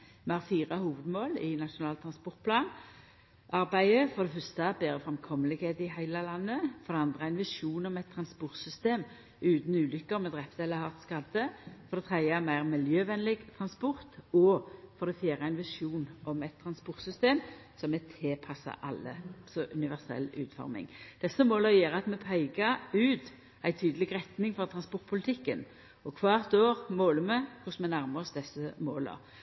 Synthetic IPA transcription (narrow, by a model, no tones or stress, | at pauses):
mɛhɑːʁfiːʁɑhuːʋəd̪moːlɪnɑʂʊnɑːlt̪ʰɾɑnspʊʁt̪̚pʰlɑːn | ʔɑɾbæɪəfɔʁd̪ɛfœst̪ɑbeːɾəfɾɛmkʰɔmːəlɪɡheːt̪ɪɦæɪləlɑnːəfɔʁd̪ɛɑnd̪ʁəæɪnʋɪʂuːnɔmɛt̪ʰːɾɑnspʊʁt̪sʏst̪eːm | ʉːt̪n̩ʉːlʏkːəʁmɛd̪ʁɛft̪ɛlːəhɑʁt̪skɑd̪əfɔʁd̪ɛt̪ʰʁɛəæmæɪʁmɪljøːʋɛnlɪɡt̪ʰʁɑnspʊʁt̪ɔfɔʁd̪ɛfjæːɾəæɪnʋɪʂuːnɔmɛɪt̪ʰːɾɑnspʊɾt̪sʏst̪eːm | sɔmɛt̪ʰeːpʰɑsːɑ̰ʔɑ̰lːə̰sɔʔʉnɪʋæʁsɛ̰lːʉ̰ːt̪fɔ̰ɾmɪ̰ŋd̪̥ɛsːəmoːləjæːɾəɑt̪mɛpʰæɪɡɑʉːt̪ | æɪt̪ʰyːd̪əlɪɡɾɛt̪nɪŋfɔʁt̪ʰʁɑnspʊɾt̪̚pʰʊlɪt̪ʰɪkːən | ɔkʰʋɑːʁt̪oːʁmoːləmɛkʰʊsmɛnæɾməʁsd̪ɛsːəmoːlə̰